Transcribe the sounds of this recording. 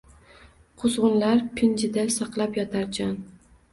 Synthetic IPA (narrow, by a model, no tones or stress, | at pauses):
qʰozʁʊnlaɾpʰɪnd͡ʒɪd̪asɑqlˠapjɒt̪ʰaɾt͡ʃʰan